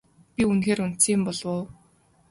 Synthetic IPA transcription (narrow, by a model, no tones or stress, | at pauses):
pʲiunxeːɾun̥t͡siːmpɔɮwoː